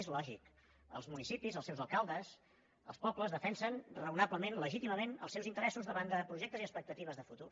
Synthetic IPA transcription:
ezlɔʒik | ə̰lˠzmunisipizəlˠsɛwzəlˠkalˠd̪əs | ə̰spɔpləzðəfɛnsənrəunabləmenləʒit̪iməmenə̰lˠsɛwzint̪əɾɛsuzðəβand̪əpɾuʒɛk̚t̪əziəspək̚t̪ət̪iβəzðəfut̪ur

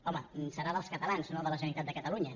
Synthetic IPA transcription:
ɔməsəɾaðəlˠskət̪əlanznoðələʒənit̪at̪d̪əkət̪əluɲə

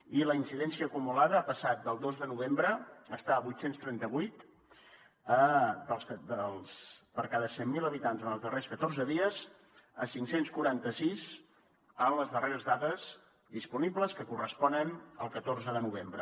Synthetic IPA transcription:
iləinsiðɛnsiəːkumulaðəapəsat̪̚d̪əlˠd̪ozðənuβ̞embɾəəst̪aβujt̪senst̪ɾɛnt̪əβujt̪ | əd̪əlˠsd̪əlˠspəɾkaðəsɛmmːiləβit̪anzənəlˠzðəreskət̪orzəðiəz̥ | əsiŋsenskuɾant̪əsiz | ənləzðəreɾəzðat̪əz | ðispunibləskəkurəspɔnənəlˠkət̪oɾzəðənuβ̞embɾə

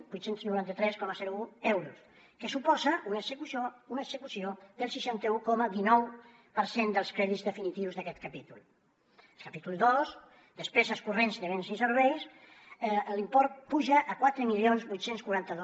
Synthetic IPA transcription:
bujt̪senznuɾant̪ət̪ɾɛskɔməzɛɾuuɛwɾus | kəsupɔzəʔunəsəkuounəkz̥əkusioðəlˠsiʃant̪əukɔməðinɔw | pəɾsend̪əlˠskɾɛðizðəfinit̪iwzðəkɛt̪̚kapit̪ulˠ | əlˠkapit̪ulˠd̪os | d̪əspɛzəskurensk̪əβensĩnsəɾβɛjs | limpɔɾt̪̚puʒəʔːkwat̪ɾəmilionzβujt̪senskuɾant̪əðo

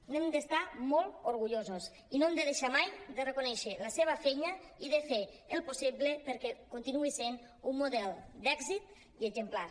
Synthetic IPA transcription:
nemd̪est̪amolˠt̪oɾɣuʎozos | inomd̪eðeʃamajd̪erekunɛʃeləseβ̞əfejɲəiðefe | elˠposiβlepeɾkɛkunt̪inuisen | umːuðɛlˠd̪ɛɡzit̪̚ | iezemplaɾ

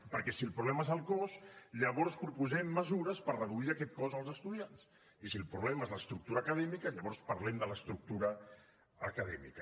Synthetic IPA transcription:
pəɾkɛsilˠpɾuβlɛmaezəlˠkɔsʎəβɔɾspɾupuzɛmːəzuɾəspərrəðuiəkɛt̪̚kɔzəlˠzəst̪uðians | isilˠpɾuβlɛmaezləst̪ɾuk̚t̪uɾəːkəðɛmikəʎəβɔɾspəɾlɛmd̪ələst̪ɾuk̚t̪uɾəː | kəðɛmḭkə

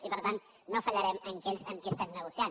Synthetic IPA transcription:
ipəɾt̪an | nofəʎəɾɛməŋkɛʎzəŋkɛst̪ɛmnəɣusian

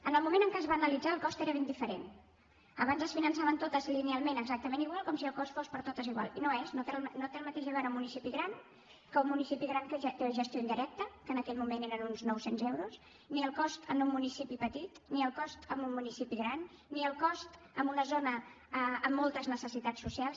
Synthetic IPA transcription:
ənəlˠmumẽnəŋkəzβanəlid͡zaːlˠkɔst̪eɾəβend̪ifəɾḛn | əβanzəsfinənsaβənt̪ot̪əzilinialˠmẽnəɡzak̚t̪əmeniɣwalˠkɔmsiəlˠkɔst̪fospəɾt̪ot̪əziɣwa̰lˠinoeznot̪elnot̪eəlˠmət̪eʒəβɛɾumunisipiɣɾan | kəummunisipiɣɾaŋkət̪eəʒəst̪joind̪iɾɛk̚t̪əkənəkɛʎmumeneɾənunznɔwsenzewɾus | niəlˠkɔst̪ənummunisipipət̪it̪niəlˠkɔst̪əmunmunisipiɣɾanː | iəlˠkɔst̪ | əmbunəzonə | əəmːolˠt̪əznəsəsit̪at͡sːusialˠs

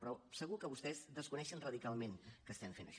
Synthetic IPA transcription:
pɾɔsəɣukəβust̪ɛzðəskunɛʃənrəðikalˠmenkəst̪ɛɱfenə̰ʃ

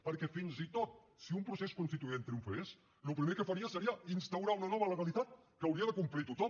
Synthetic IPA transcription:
pəɾkɛfinzit̪ot̪̚ | siumpɾuseskunst̪it̪uent̪ɾiuɱfɾes | lupɾimekəfəɾiəsəɾiəinst̪əwɾaunənɔβələɣəlit̪at̪̚kəəwɾiəðəkumplit̪ut̪ɔ

